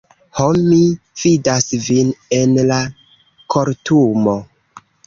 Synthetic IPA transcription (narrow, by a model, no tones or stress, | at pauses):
homi | fidasvine̞nla | kʰo̞ɾtumo̞